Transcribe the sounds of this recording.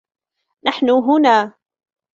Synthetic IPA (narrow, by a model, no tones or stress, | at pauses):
naħnʊɦʊnaː